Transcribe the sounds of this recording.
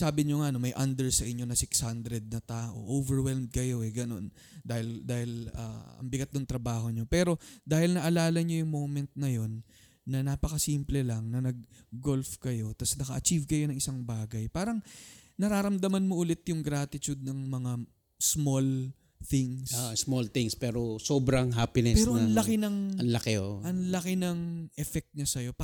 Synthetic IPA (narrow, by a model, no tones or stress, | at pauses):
saːbɪɲoŋaʔɐno̞mɐjʔɐnd̪ɛɹsɐʔɪɲːo̞nɐsɪkshand̪ɾɛd̪̚nɐt̪aːʔo̞̰ʔovɛɹwɛlmd̪̚kɐjo̞ɛɡɐno̞̰n | d̪aːhɪld̪aːhɪla̰ːɐ̰ŋbɪɡat̪̚d̪ʊŋt̪ɾɐbaːho̞ɲo̞pɛːɾo̞d̪aːhɪlnɐʔɐlaːlɐɲo̞jʊŋmo̞mɛnt̪̚nɐjo̞nː | ɐnaːpɐkɐsiːmplɛlɐŋnɐnɐɡ̚ːo̞lfkɐjo̞t̪ɐsnɐkɐʔɐt͡ʃivkɐjo̞nɐŋɪsaŋbaːɡɐjpaːɾɐŋnɐɾaːɾɐmd̪ɐmɐnmo̞ʔʊlɪt̪jʊŋɡɾaːt̪ɪt͡ʃud̪̚nɐŋmɐŋa | smol | θɪŋssmolθɪŋspɛːɾosobɾɐŋɦaːpɪnɛpsɛːɾoʔɐnlɐkɪnɐŋɐnlɐkeoʔɐŋlɐkɪnɐŋʔɛfɛk̚t̪̚ɲɐsɐjo̞